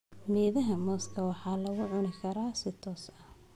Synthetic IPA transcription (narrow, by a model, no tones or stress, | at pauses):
mɛːðɐɦɐmɔːskʰɐwɑħɑːlɐɣʊʕʊnɪkʰɐɾaːsɪt̪ʰɔːsɐ